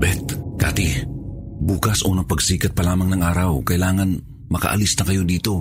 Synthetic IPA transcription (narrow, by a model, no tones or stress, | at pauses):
bɛt̪kaːt̪i | buːkasʔonɐpɐɡsiːkɐt̪̚pɐlaːmaŋnɐŋʔaːɾawkɐʔilaːŋan | mɐka̰ʔa̰lisnɐkɐjod̪iːt̪o̞